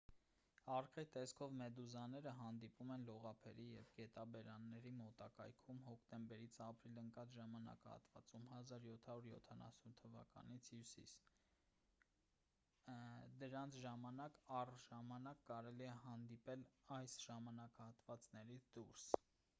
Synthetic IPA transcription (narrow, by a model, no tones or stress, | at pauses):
ɑrkɛt̪ɛskʰɔvmɛd̪uzɑnːɛɾəɦɑnd̪ipumɛnlɔʁɑpʰɛɾijɛvɡɛt̪ɑbɛɾɑnːɛɾimɔt̪ɑkɑ̰jkʰumɦɔkʰt̪ɛmbɛɾit͡sʰɑpɾiləŋkɑt͡sʒɑmɑnɑ̰kɑhɑ̰t̪vɑ̰t͡sumhɑzɑɾjɔt̪ʰhɑɾuɾjɔ̰t̪ʰɑnɑ̰sunt̪ʰːəvɑ̰kɑ̰nit͡sʰhjusḭs | d̪əɾɑnt͡sʰʒɑmɑnɑkɑrʒɑmɑnɑkːɑɾɛliɛɦɑnd̪ipɛlɑjsʒ̥ɑmɑnɑkɑhɑt̪vɑt͡snɛɾit͡sʰd̪uɾs